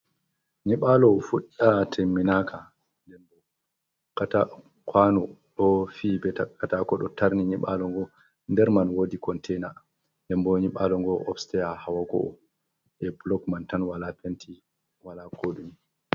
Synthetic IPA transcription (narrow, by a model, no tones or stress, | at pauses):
ɲiɓalɔfuɗatʰemːinakʰa | ndɛmbɔ | kata | kʰwanɔɗɔfibɛtakatakɔɗɔtaɾniɲiɓalɔŋɡɔ | ndɛɾmanwodikɔntʰɛjna | ndɛmbɔɲiɓalɔŋɡɔʔɔfstɛjahawaɡɔ̰ʔɔ̰ | ʔɛblɔkmantanwalapentʰi | walakʰoːɗumi